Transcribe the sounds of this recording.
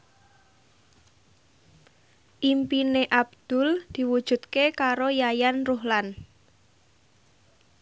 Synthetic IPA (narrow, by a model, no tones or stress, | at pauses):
ʔimpineʔab̚d̪̥ʊ̤ld̪̥i̤wud̥ʒ̥ṳt̪̚kekaɾojajanruhlan